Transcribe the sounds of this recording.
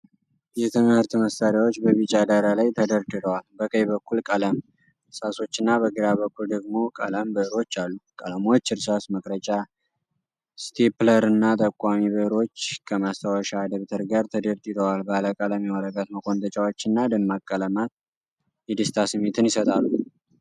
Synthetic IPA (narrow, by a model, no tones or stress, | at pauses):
jɛt̪ʰɨmhɨɾt̪məst̪aɾjawot͡ʃːbəβit͡ʃʼːad̪aɾalajt̪ʰəd̪əɾd̪ɨd̪ʰəwalbəkʼəjbəkʰːulkʼələm | ɾsaso̞t͡ʃːɨnːabəɡɨɾaβəkʰːuld̪əɡmo̞kʼə̰ləmbɨʔɾo̞t͡ʃːalːukʼələmo̞t͡ʃːɨɾsasməkʼɾət͡ʃʼa | st̪ʰepləɾɨnːat̪ʼəkʼːamiβɨɾo̞t͡ʃːkʰəmast̪ʰawəʃaːd̪əβt̪ʰəɾɡaɾt̪ʰəd̪əɾt̪ʼɨd̪əwalbəaləkʼələmjɛwɔɾəɡat̪məkʰo̞nt̪ʰət͡ʃʼawot͡ʃːɪnːad̪ɨmːakʼːələmat̪̚ | jɛd̪ɨst̪ʰasɨmːet̪ʰɨnjɪsət̪ʼalːu